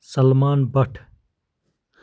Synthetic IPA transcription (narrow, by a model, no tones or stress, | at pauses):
sɐlmaːnbɐʈʰ